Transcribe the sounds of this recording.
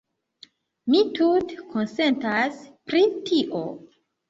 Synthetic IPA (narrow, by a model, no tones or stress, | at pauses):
mitutkʰonse̞ntaspɾitʰiʔo̰